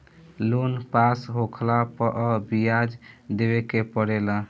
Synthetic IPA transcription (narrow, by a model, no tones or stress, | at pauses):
lonpasɦokʰlapəʔɔbijad͡ʒd̪ebekepəɽela